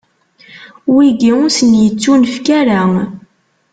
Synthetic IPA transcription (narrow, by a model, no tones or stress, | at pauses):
wiɡiʊsənjət͡sːunfkæɾa